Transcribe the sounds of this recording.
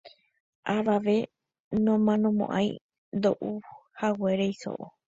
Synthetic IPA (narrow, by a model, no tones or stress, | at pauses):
ʔaʋaʋe̞ | nõmãnõmõ̰ʔã̰ĩ | nd̪oʔuhaweɾejso̰ʔo